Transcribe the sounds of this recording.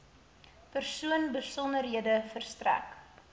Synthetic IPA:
pərsuənbəsɔndərɦiədəfərstræ̰k

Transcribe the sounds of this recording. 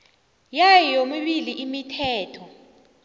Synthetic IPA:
jajijomiɓiliʔimitʰɛːtʰɔ

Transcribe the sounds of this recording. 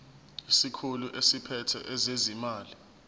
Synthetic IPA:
isikʰuluʔesipʰɛtʰɛ̰ʔɛzezimaːli

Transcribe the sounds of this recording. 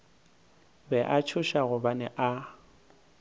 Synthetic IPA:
bɛʔat͡ʃʰʊʃaɣʊbanɛʔa

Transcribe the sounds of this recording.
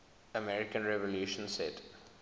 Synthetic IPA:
əmɛɾɪkə̃nɾeʋoljuːʃə̃nseʈ

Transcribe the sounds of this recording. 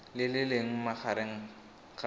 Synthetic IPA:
lɪlɪleŋ̩maχaɾeŋ̩ | χa

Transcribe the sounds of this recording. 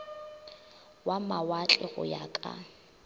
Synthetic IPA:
wamawat͡ɬʼɛɣʊ̰jakʼa̰

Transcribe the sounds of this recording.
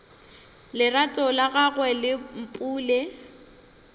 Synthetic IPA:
lɪratʼɔlaɣaɣwɛlɪm̩pʼuːle

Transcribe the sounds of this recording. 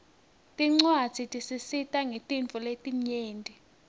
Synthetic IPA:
tʼiŋ͡ǀwḁz̥ʰʱitʼisisitʼaŋetʼiɱt͡fuletʼiɲeːntʼi

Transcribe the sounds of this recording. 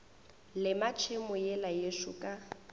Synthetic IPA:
lɪmat͡ʃʰɪmʊjɛlajeʃʊkʼa

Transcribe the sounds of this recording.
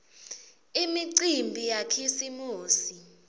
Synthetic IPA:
imiǀimbʱijakʰisimuːsi

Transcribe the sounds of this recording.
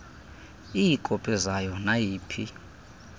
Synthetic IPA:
ijikʼɔpʼɛzajɔnajiːpʰi

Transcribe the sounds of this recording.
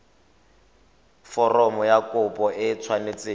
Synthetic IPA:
fɔrɔmɔjakʊpʼɔʔɪt͡sʰwanet͡seː

